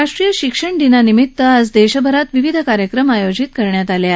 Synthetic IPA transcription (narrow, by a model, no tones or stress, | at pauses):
aʂʈɾijəɕikʂəɳɖ̪inanimit̪ːəəd͡zd̪eɕəbʱəɾat̪ʋiʋid̪ʱəkaɾjəkɾəmajod͡ʑit̪̚kəɾɳjat̪alja